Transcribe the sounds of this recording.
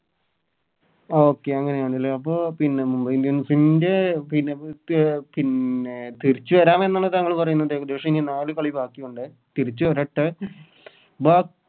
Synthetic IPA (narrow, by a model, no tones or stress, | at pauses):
oːkːe̞ɐŋːɐnejaːɳɖilːeɐpːo̞ːpinːemumbɐind̪ipinde̞pinːe | pinet̪iɾit͡ɕːuʋɐɾaːmenːaːɳɨt̪ɐŋːɐɭpɐrɐjunːɐðeːkɐd̪eːʂɐminenaːɭɨkɐɭibaːkːijuɳɖɨ | t̪iɾit͡ɕːuoɾɐʈːɨ | baːk